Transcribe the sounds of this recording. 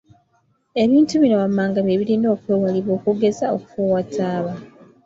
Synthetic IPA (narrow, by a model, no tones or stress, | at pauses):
e̞βiːntuβinoβamːaːŋɡaβeːβiɾiːndo̞ːkweːwaliβo̞ːkuɡe̞zaoku̥fuwatʰaːβa